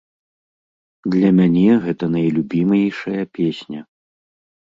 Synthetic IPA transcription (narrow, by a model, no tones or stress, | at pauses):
d̪lʲɐmʲanʲɛɣɛt̪ɐnɐjlʲubʲimɐjjʂɐjɐpʲesʲnʲɐ